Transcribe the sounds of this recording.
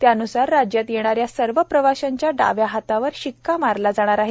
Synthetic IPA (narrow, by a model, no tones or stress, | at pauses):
t̪jaənusaɾːad͡ʑjat̪jeɽ̃aɾjasəɾʋəpɾəʋaɕaɲt͡ɕjaɖa̰ʋjaɦat̪aʋəɾɕikːamaɾlad͡zaɽ̃aɾaɦe